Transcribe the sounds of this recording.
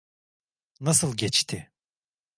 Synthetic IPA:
nasɯlˠɟɛt͡ʃt̪ʰɪ

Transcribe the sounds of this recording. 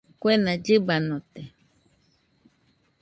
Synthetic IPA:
kwenãd͡ʒɨbanõt̪e

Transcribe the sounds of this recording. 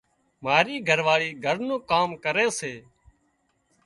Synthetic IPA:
maːɾiːɡʱəɾʋaːɭiːɡʱəɾnũːkaːmkəɾeːseː

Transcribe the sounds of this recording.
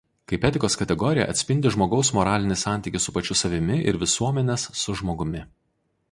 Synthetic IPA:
kɐɪpʲɛt̪ʲɪkoːskɐt̪ʲɛɡɔɾʲɪjɛ̰ʔɐ̰t̪ʲsʲpʲɪnʲd̪ʲɪʒmoːɡɒʊsmɔɾɑːlʲɪnʲɪsɑˑnʲt̪ʲiːˑkʲɪsʊpɐt͡ʃʲʊsɐʋʲɪmʲɪʔɪ̰ɾʋʲɪsuɔmʲɛnʲɛsːʊʒmoːɡʊmʲɪ

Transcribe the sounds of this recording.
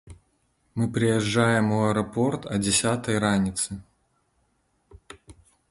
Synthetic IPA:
mɨpɾʲɪjɛʐːajɪmoɛɾɐpo̞rt̪ʰɐdʲɪsʲat̪əjɾanʲɪt̪sɨ

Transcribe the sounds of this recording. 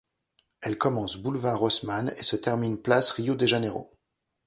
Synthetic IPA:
ɛlkɔmɑ̃sbulvaʁɔsmanesət̪ɛʁminplasʁijod̪eʒeneʁo̰

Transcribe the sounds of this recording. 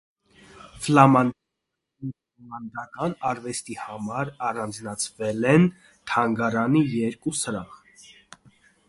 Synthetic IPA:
flɑmɑnd̪ | lmɑnd̪ɑkɑnɑɾvɛst̪ihɑmɑɾɑrɑnd͡znɑt͡sʰvɛlɛn | t̪ʰɑŋɡɑɾɑnijɛɾkusəɾɑχ

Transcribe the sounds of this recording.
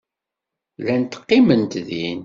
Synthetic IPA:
lænt̪ə̥qːimənt̪ðin

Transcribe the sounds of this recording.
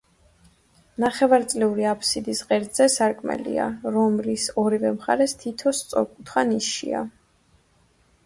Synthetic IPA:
naχɛvaɾt̪sʼlɛuɾiapʰsid̪isqʼɛɾt̪z̥ɛsaɾkʼmɛ̰lḭa̰ɾɔmlisɔɾivɛmχa̰ɾɛst̪ʰit̪ʰɔst̪sʼɔ̰ɾkʼut̪ʰχaniʃḭa̰

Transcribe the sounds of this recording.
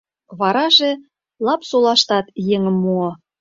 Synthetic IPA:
βɑɾɑʒĕ | lɑpsolɑʃt̪ɑt̪jeŋə̆mːuo

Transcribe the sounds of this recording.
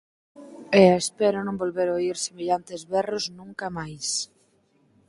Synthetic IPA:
ɛaespɛɾonõmbolβeɾoiɾsemeʎant̪ezβɛroznũŋkɐmajs

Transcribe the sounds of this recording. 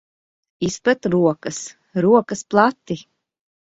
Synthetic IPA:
ispɛt̪ɾuɔkɐs | ɾuɔkɐsplˠat̪ːi

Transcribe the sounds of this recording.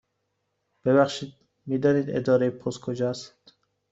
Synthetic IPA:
b̥eβæχʃiːd̪ | miːd̪ɒːniːd̪ḛd̪ɒːɾejpʰoskʰod͡ʒɒsi̥d̪̥

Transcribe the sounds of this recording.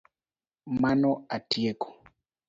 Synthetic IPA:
manɔatiekɔ̥

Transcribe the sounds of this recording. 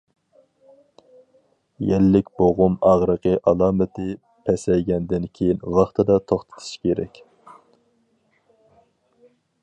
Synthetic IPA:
jɛlːɪkʲboʁʊmɑʁɾəqəʔɑlˠɑːmɪt̪ʰɪ | pʰɛsɛjɡʲɛnd̪ɪnkʲʰejinwɑχt̪ʰɨd̪ɑt̪ʰoχt̪ʰɨ̥t̪ʰu̥ʃkʲeɾɛ̰kʲ

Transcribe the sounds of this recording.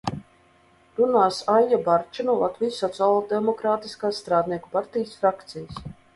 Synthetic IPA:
ɾunaːsajjabaɾt͡ʃanulˠat̪vijsːɔt̪sʲaːlˠɔd̪ɛmɔkɾaːt̪iskaːssːt̪ɾaːd̪niɛkupaɾt̪ijsfɾakt̪sijas

